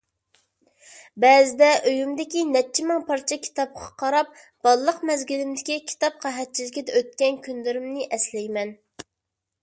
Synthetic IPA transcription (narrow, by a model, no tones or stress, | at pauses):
bɛːzɪd̪ɛʔøjymd̪ɪkʲinɛt͡ʃʰːimɪŋpʰɑɾt͡ʃʰɑkʲʰi̥t̪ɑp̚qʰɑqʰɑɾɑp̚ | b̥ɑlˠːəqmɛzɡʲilɪmd̪ɪkʲikʲʰi̥t̪ɑp̚qʰæɦɛt̪̚t͡ʃʰilɪkʲid̪ɛøt̪̚kʲɛnkʲʰynlɪɾɪmnɪʔɛslɛjmɛn